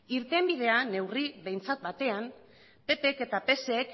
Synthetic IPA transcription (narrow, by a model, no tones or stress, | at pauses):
iɾt̪e̞mbið̞e̞ane̞wriβe̞jnt͡sat̪̚bat̪e̞am | pe̞pe̞ke̞t̪ape̞seːk